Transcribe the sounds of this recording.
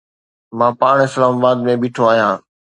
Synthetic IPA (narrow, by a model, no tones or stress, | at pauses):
mãːpaːɳ̃ɪslaːmabaːd̪mẽbɪːʈʰoaːɦijãː